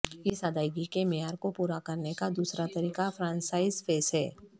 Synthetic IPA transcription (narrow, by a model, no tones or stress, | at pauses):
ɪsaːd̪aːɪɡikemejaːɾkopuːɾakɐɾnekad̪uːsɾat̪ɐɾiːkafɾãːnsaːɪzfʰeːsɦɛː